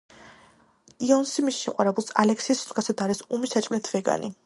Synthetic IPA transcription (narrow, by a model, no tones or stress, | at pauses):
iɔnsimisʃɛqʼwaɾɛbulˠsalɛkʰsiːsʰʼɡasad̪aɾɛsumisat͡ʃʼmnɛt̪ʰvɛɡa̰nḭ